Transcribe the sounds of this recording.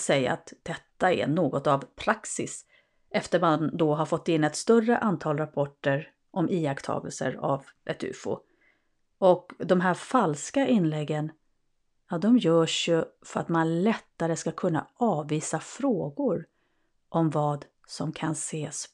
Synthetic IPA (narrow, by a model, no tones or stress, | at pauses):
sɛjːa̰a̰t̪d̪̥ɛt̪ːaɛ̰noːɡɔt̪avpʰɾaksɪ̰s | ʔɛft̪əɾmand̪ɔɦaɾfɔt̪ːɪnːɛt̪st̪œrəʔant̪ʰɑːlɾapʰɔʈːəɾ | ʔɔmʔiːakt̪ʰɑ̰ːɡə̰lsə̰ɾa̰vɛ̰t̪ʰʉ̟̰ːfʊ̰ | ɔkd̪ɔmɦæːɾfalskaʔɪnːlɛɡːən | jɑd̪ɔmjœːʂjɵfœɾat̪manlɛt̪ːaɾəskakʰɵnːa̰ɑːvːiːsafɾoːɡʊɾ | ʔɔmvɑːd̪ | sɔmkʰanseːs